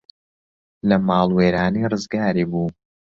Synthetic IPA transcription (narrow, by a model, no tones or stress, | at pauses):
lɐmaːlˠweːɾaːniːrɨzɡaːɾiːbuː